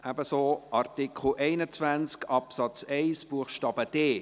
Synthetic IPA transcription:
ʔæbəsoːʔɑrtɪkʰχl̩ʔɛɪnət͡svænt͡skɑpsɑt͡sɛɪsb̥uəχʃtɑːb̥əd̥eː

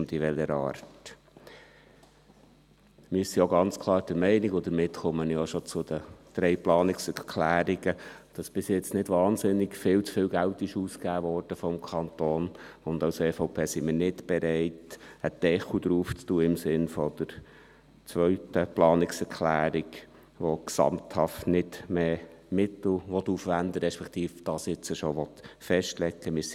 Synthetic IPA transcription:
nd̪iʋɛləɾɑ̰ːɾt | mɪsioɡɑnt͡skʰlˠɑːɾd̥əɾmɛɪnɪɡɔd̪əɾmɪtχʊmənioʃɔt͡sʊd̥̪əd̪̥ɾɛɪplɑːnɪksɛɾkʰlæːɾiɡəd̥ɑsb̥ɪsjɛt͡snɪdʋɑːnzɪnːɪɡfɪlt͡sfɪːlɡæltɪʃuːskæːʋɔːrd̥əfɔmkʰɑnt̪oːnʊndɑseːfɔʊpʰeːsimɪːɾnɪtb̥ɛɾɛɪtəd̪̥ɛχud̪ɾuːft͡stuːəɪmsɪnfɔd̥̪əɾ | t͡sʋœʏtəplɑːnɪksɛɾkʰlæːɾiɡ | ʋɔksɑ̰mt̪hɑftnɪd̥meː | mɪt̪l̩ʋɔt̪ːuːfʋænd̪əɾɛʃpɛkt̪iːfd̥ɑːsjɪt͡səʃɔʋɔt̪fɛʃtlɛɡːəmɪs

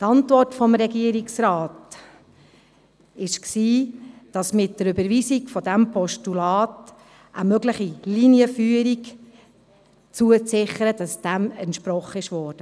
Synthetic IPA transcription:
tɑntvɔrtfɔmɾɛɡiəɾiksɾɑːt | ɪʃksiːd̥ɑsmɪt̚dəɾybəɾviːsiɡfɔdæmpʰɔʃtulɑːt | ʔəmøɡləχiliniəfyːəɾik | t͡suət͡sɪχəɾəd̥ɑsd̥æmɛntʃpɾɔχəɪʃʋɔːɾd̥ə

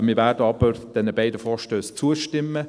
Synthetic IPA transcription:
mɪːvæːɾd̥əɑb̥əɾd̥ɛnəbaɪdəfɔːɾʃtøːst͡suəʃtɪmːə

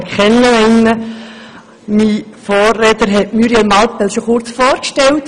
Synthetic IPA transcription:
kχɛnːəɪnə | mifoːrːeːtəɾɦɛtmyɾiɛlmɑlpɛlʃoχʊɾt͡sfoːɾkʃtɛlt

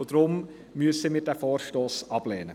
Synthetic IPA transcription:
od̪ɾʊm | myəsəmiːdɛfoːɾʃtoːsɑb̥leːnə

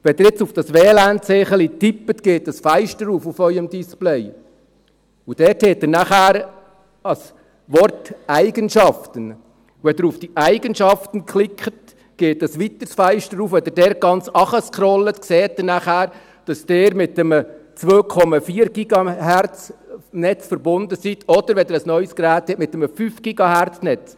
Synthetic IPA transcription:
ʋɛd̪əɾɪt͡sufd̥ɑsʋɛːlæːntseːχəlitipːət̪ɡ̥eːtɑsfæɪʃtəɾuːfufœʏəmd̪isplɛɪ | ud̥ɛːɾthɛːt̚dənæχæːɾ | ɑs | ʋɔrtæɪɡənʃɑft̪ən | ʋɛd̪əɾufd̥iʔæɪɡənʃɑftən̩kχlɪkʰχət | ɡ̥eːt̚ːɑsʋit̪əɾsfæɪʃtəɾuːfɛd̪ədɛːɾ̚ɡ̥ɑnt͡sɑχəskʰɾɔlːət̪kseːt̚dənæχæːɾ | d̥ɑsd̥eːɾmɪt̪əmət͡sʋoːkʰɔmɑfiːəɾɡ̥iɡɑhæɾt͡snɛt͡sfəɾbʊnd̪əsit̪ʰɔd̥̪əɾʋɛd̪əɾəsnœʏsɡɾæːt̪hɛtmɪt̪əməfyːfɡ̥iɡɑhært͡snɛt͡s

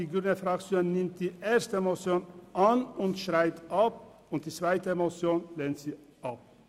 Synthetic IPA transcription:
iːɡɾʏnəfɾakt͡ssjoːnːɪmt̚d̪̥iːʔeːɐstəɛmot͡sjoːnʔanʊnt̪ʃʁaɪt̪ap̚ | ʊnt̚d̪̥iːt͡sv̥aɪtəemot͡sjoːnleːnt̪siː | ʔap̚

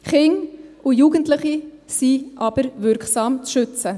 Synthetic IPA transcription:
χɪŋʊjuːɡəntləχi | siʔɑb̥əɾvʏɾksɑːmt͡sʃʏt͡sə

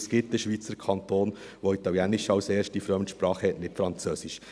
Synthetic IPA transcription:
sɡ̥ɪt̚d̥əʃʋiːt͡səɾkʰɑnt̪oːn | ʋoit̪ɑljænɪʃɑwseːɾʃt̚d̥ifɾœmnt̪ʃpɾɑːχəhɛtnɪtfɾɑnt͡søːsɪʃ

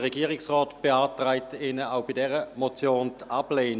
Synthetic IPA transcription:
ʁeɡiːʁɪksʁɔːtb̥eaːtʁaɪtɪnəaʊbidɛʁəmot͡sjoːntab̥leːn

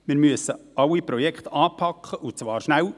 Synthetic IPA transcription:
mɪːɾmyəsəɑlːipɾɔjɛkχt̪ɑːpʰɑkʰχəʔut͡sʋɑːɾʃnæw

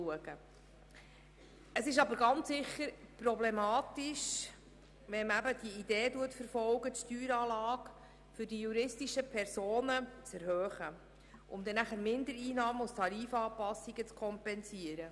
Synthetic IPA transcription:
uəɡə | əsɪʃɑbəɾɡɑntsɪχəɾprɔblɛmɑːt̪iʃ | ʋɛmæbəd̥iideːduətfəɾfɔlɡətʃtyːɾɑːlɑːk | fʏɾdijuɾɪstiʃəpʰɛɾsoːnət͡sɛɾhøːχə | ʔʊmd̪ɛnæχəɾmɪnd̪əɾiːnɑːmustʰɑɾiːfɑːpɑsːiɡət͡skʰɔmpɛnsiːəɾə

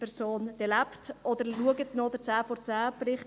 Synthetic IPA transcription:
pɛɾsoːnd̥ɛlæptɔd̥̪əɾluəɡətnod̥̪əɾt͡sæːfɔɾt͡sæːprɪχ

